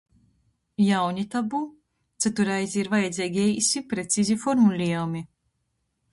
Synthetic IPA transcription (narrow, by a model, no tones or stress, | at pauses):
jawɲit̪abu | t̪sæt̪uɾajzʲiːɾvajɛd̪zʲiːɡʲɛjisipɾet̪sizʲifɔɾmulʲiɛumi